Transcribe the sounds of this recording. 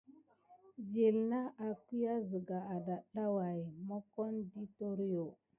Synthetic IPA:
zi˨lna˦a˨ki˦ja˦zə˨ɡa˨a˨da˨ɗa˦wa˨jmo˦ko˦ndi˦to˦ɾi˦jo˨

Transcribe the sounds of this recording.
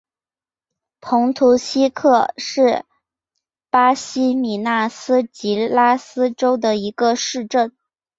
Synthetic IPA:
pʰʊ˧˥ŋt̪ʰu˧˥ɕi˥kʰɤ˥˧ʂɻ̩˥˩ | pa˥ɕi˥mi˨˩na˥˩sɹ̩˥t͡ɕi˧˥la˥sɹ̩˥ʈ͡ʂo˥ʊd̪ə˨i˧˥ɡə˧ʂɻ̩˥˧ʈ͡ʂə˥˩n

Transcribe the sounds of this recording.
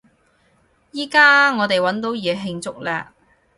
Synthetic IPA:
jiː˥kaː˥ŋɔː˨˧t̪e˨jwɐ˨˥nt̪o˨˥wjɛː˨˧ɦɪ˧ŋt͡sʊ˥k̚lɛ̰ː˧

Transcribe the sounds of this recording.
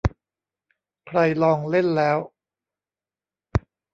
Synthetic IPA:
kʰɾa˧jlɔː˧ŋle˥˩nlɛː˦˥w

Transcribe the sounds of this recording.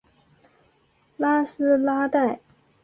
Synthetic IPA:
la˥sɹ̩˥la˥t̪a˥˩ɪ

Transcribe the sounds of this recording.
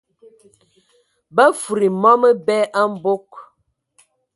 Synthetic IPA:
bə˦fu˨ɾi˨mɔ˦mə˦bɛ˦ʔa˦m̩˦bo˦k̚

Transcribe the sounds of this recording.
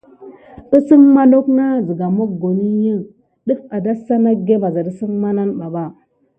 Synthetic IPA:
ə˦sə˦nma˦no˦kna˦zə˨ɡa˨mo˦k̚ɡo˨ni˦jə˦ | ɗə˦fa˨da˦sa˦na˦ɡe˦ba˨za˨də˦sə˦nma˦na˦nɓa˨ɓa˦˨

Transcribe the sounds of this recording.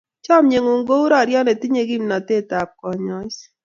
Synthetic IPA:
t͡ʃɔ˦mɲe˨ŋo˨ŋɡo˦u˦ɾɔ˦˨ɾjɔ˦ne˨ti˦ɲe˦ɡi˦mna˨te˦˨ta˨p̚kɔ˨ɲɔ˨˦t͡ʃ

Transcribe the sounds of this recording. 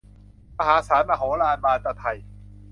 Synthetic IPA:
ma˧ɦaː˨˦saː˩˦naː˧ɦoː˨˦laː˧nbaː˧nt̪a˧t̪ʰa˧˩j

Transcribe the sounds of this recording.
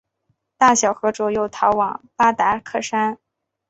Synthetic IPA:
t̪a˥˩ɕjɑ˨˩ʊxɤ˧˥ʈ͡ʂɔ˨˩jo˥˩ʊt̪ʰɑ˧˥ʊwɑ˨˩˦ŋpa˥t̪a˧˥kʰɤ˥˩ʂa˥n

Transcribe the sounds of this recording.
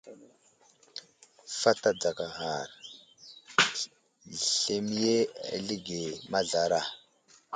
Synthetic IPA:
fa˦ta˦d͡za˨ka˨ɣa˨ɾ | ɬe˦mi˦je˦a̰˨li˦ɡe˨ma˦ɮa˨ɾa˦˨

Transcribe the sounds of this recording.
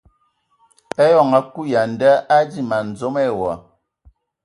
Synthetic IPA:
ɛ˦jɔ˨ŋa˨ku˦ja˨n˨da˦a˦di˦˨ma˨n̩˨d͡zo˦mɛ˦˨wa˨

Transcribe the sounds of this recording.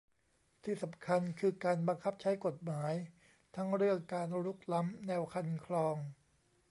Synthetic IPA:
t̪ʰiː˥˩sa˩˦mkʰa˧nkʰɯː˧kaː˧nba˧ŋkʰa˦˥p̚t͡ɕʰa˦˥jko˨˩t̪̚maː˩˦j | t̪ʰa˦˥ŋɾɯ˥˩əŋkaː˧nɾu˦˥k̚la˦˥mnɛː˧wkʰa˧nkʰlɔː˧ŋ

